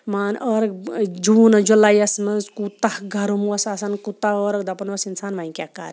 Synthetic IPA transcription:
maːnʔəɾɐkd͡ʒuːnɐd͡ʒulajɐsmɐzkut̪ɐhɡʱɐɾumwɐsasɐnkut̪aəːɾɐk̚d̪ɐpɐnʋɐsinsaːnʋaĩkʲaka̰ːɾ

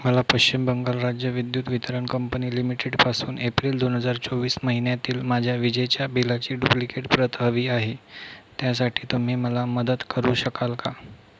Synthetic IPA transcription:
məlapəɕt͡ɕimbəŋɡalɾad͡ʑjəʋid̪juːt̪ʋit̪əɾəɳkəmpəniːlimiʈeɖpasuːnepɾiːld̪onɦəd͡zaɾt͡soʋiːsməɦinjat̪iːlmad͡ʑʱjaʋid͡ʑət͡ɕjabilat͡ɕiːɖuplikeʈpɾət̪ɦəʋiːaɦet̪jas̬aʈʰiːt̪um̤iːməlaməd̪ət̪kəɾuːɕəkalka

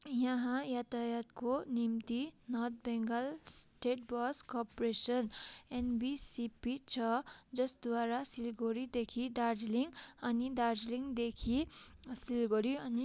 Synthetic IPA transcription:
jaɦãjat̪ajat̪konimt̪inʌt̪̚ʰbeŋɡʌlsʈeʈbʌskɔpɾesʌnenbisipit͡sʰʌd͡zʌsd̪waɾasilɡoɾid̪ekʰid̪aɾd͡zliŋɡʌnid̪aɾd͡zliŋɡd̪ekʰisilɡoɾiʌni

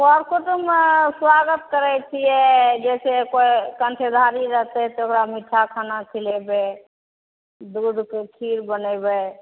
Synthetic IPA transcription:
ɔɾkot̪əmswaɡət̪kəɾɛt͡ʃʰiɛd͡ʒɛsekoekəɳʈʰed̪ʱaɾiɾəɦt̪eɦt̪ookɾamiʈʰːakʰanat͡ʃʰilebe | d̪uɖkekʰiɾbənɛbe

